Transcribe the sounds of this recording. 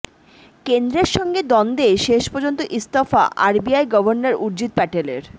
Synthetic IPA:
kend̪ɾeɾʃɔŋɡed̪ɔnd̪eʃeʃpɔɾd͡ʑont̪oʔist̪ofa̰ʔa̰ɾbiajɡɔbʱoɾnaɾuɾd͡ʑit̪̚pɛʈelḛɾ

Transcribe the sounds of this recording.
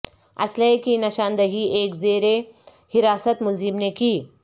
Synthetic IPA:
ɐ̰slɐkinɐʃãːnd̪ɐɦieːkzeːɾe | hɪɾaːsət̪mʊlzɪmnekiː

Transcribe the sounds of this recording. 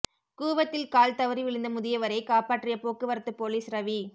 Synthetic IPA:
kuːʋɐt̪ːɪlkaːlt̪ɐʋɯɾiʋɪɭɯnd̪ɐmʊðɪjɐʋɐɾɐɪkaːpaːʈrɪjɐpoːkːɯʋɐɾɐt̪ːɯpoːliːsɾɐʋi

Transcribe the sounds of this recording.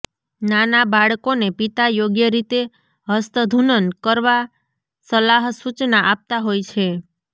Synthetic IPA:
nanabaɭkonepit̪ajoɡjəɾit̪e | ɦəst̪əd̪ʱunənkəɾʋa | səlaɦsut͡ʃnaʔap̚t̪aɦojt͡ʃʰe

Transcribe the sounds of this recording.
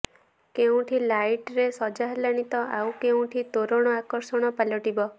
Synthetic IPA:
keũʈʰilajʈɾesɔd͡ʒaɦlaɽ̃it̪ɔaw̃keũʈʰit̪oɾɔɽ̃ɔakɔɾsɔɽ̃ɔpalɔʈibɔ

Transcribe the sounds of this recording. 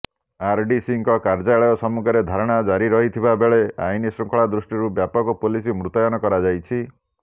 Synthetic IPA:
aɾɖisiŋkɔkaɾd͡ʒaɭɔjɔsɔmukʰɔɾed̪ʱaɾɔɽ̃ad͡ʒaɾiɾɔɦit̪ʰibabeɭea̰jnisɾuŋkʰɔɭad̪ɾusʈiɾubjapɔkɔpulisimɾut̪ɔjɔnɔkɔɾad͡ʒajt͡ʃʰi

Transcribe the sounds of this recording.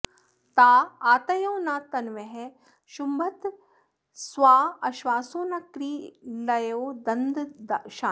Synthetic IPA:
t̪aːaːt̪ɐjõːnaːt̪ɐnʋeɦe | ʃumbɐt̪ | swaːɐʃʋaːsoːnɐkɾiːlɐjoːd̪ɐnd̪ʃaː

